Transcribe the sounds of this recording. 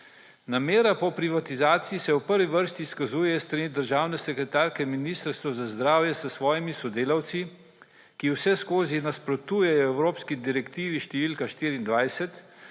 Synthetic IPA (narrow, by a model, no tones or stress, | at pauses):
nameːɾapɔpɾiʋat̪izaːt̪sijːsɛwpəɾʋiʋəɾst̪iːskazuːjɛjst̪ɾanid̪əɾʒaːwnɛsɛkɾɛt̪aːɾkɛminiːst̪əɾst̪ʋɔzazd̪ɾaːwjɛsəsʋɔːjimisɔd̪eːlawt̪si | kiwsɛskoːzinaspɾɔt̪uːjɛjɔɛwɾoːpskid̪iɾɛkt̪iːʋiʃt̪ɛʋiːlkaʃt̪iːɾiːnd̪ʋajsɛt̪